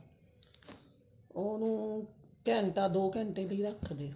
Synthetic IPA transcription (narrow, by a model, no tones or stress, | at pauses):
oːnũːkɛ̃ːɳʈ̪aːd̪oːkɛ̃ːɳʈeːbəiːɾəkʰːd̪eː